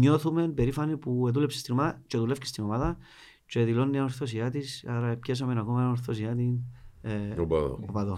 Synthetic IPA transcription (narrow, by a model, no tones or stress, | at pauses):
ɲo̞θume̞mpe̞ɾifɐnipueðulepse̥st̪inomaðɐt͡ʃeðule̞fce̥st̪inomaðɐ | t͡ʃeðilo̞nːiɐnoɾθosiɐt̪isɐɾɐepçes̬omenakomɐnnoɾθosiɐt̪in | opɐðo̰opɐðo